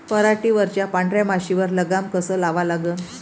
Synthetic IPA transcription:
pəɾaʈiʋəɾt͡ɕjapaɳɖɾjamaɕiʋəɾləɡamkəsəːlaʋalaɡəːn

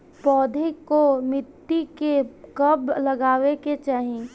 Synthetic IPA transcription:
pɔːd̪ʱekomɪt̪ːikekəbləɡaːweket͡ʃaːɦi

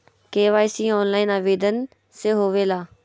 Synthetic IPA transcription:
keːʋaːɪsiːɔːnlaːɪnaːʋeːd̪ən | seɦoːʋeːlaː

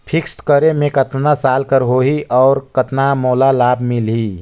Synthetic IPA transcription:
pʰɪksʈkəɾemẽkət̪nasaːlkəɾɦoɦiʔɔːɾkət̪namoːlalaːbmɪlɦiː

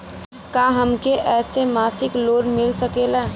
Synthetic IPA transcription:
kaːɦɐmkeʔɛːsemaːsɪkloːɾmɪlsəkeːlaː

